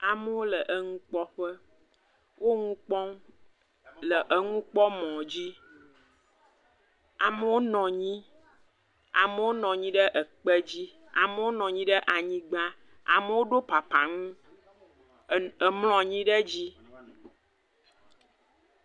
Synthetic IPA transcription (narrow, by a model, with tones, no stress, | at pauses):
a˨mə˦wo˦lə˨ʔə˨ŋũ˦k͡pɔ˦ɸə˦ | wʔo˦ŋũ˦k͡pɔ̃˦ŋ | lə˨ʔə˨ŋũ˦k͡pɔ˦mɔ̃˨d͡ʑi˦ | a˨mə˨wo˦nɔ̃˨ɲĩ˦ | a̰˨mə˨wo˦nɔ̃˨ɲĩ˦ɖə˦ʔə˨k͡pə˦d͡ʑi˦ | a̰˨mə˨wo˦nɔ̃˨ɲĩ˦ɖə˦ʔa˨ɲĩ˦ɡ͡ba˦ | a̰˨mə˨˦wo˦ɖo˦pa˨pa˨ŋũ˦ | ə˨ml̃ɔ̃˨ɲĩ˦ɖə˦d͡ʑi˦